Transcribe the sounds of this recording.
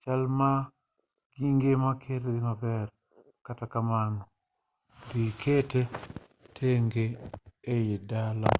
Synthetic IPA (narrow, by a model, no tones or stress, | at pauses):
t͡ʃalma | ɡiŋɡemakʰeɾɡɪmabɛr | katakamanɔ | dikʰete | tʰeŋɡeː | jedala